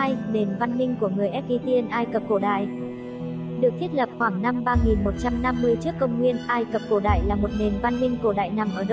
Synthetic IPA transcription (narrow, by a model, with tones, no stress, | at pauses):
a˧jne˨˩nva˧nmï˧ŋku˧˩əŋɨ˨˩əjʔɛ˦˥t̚ʔi˧t̪i˧ənʔaː˧jkə˨˩p̚ko˧˩ɗa̰ː˧˨j | ɗɨ˨˩ək̚t̪ʰt̚lə˨˩p̚xwaː˧˩ŋna˧mɓaː˧ŋi˨˩nmo˨˩t̚t͡ɕa˧mna˧mːɨ˧əjt͡ɕɨ˦˥əkːə˧wŋ͡mŋwi˧ənʔaː˧jkə˨˩p̚ko˧˩ɗa̰ː˧˨jlaː˨˩mo˨˩t̚ne˨˩nva˧nmï˧ŋ̟ko˧˩ɗa̰ː˧˨jna˨˩mʔəː˧˩ɗə˦